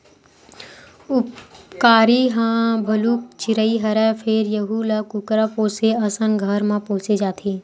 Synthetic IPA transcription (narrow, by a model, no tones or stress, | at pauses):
ʊpkaːɾiɦãːbʱɐluːk̚t͡ʃɪɾəiɦɐɾɛfʰeːɾjəɦulɐkʊkɾapoːseɐsənɡʱəɾmãpoːsed͡ʒaːt̪ʰeː